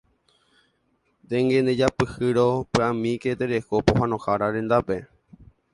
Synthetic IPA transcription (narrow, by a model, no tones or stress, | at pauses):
d̪eŋɡẽnd̪ed͡ʒapɨhɨɾopɨãmĩket̪eɾekopoɦãnõhaɾaɾẽ̞nd̪ape